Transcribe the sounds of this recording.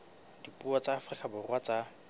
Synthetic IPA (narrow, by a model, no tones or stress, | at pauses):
d̥ipʼuat͡sʼaːfrikʼabʊrwat͡sa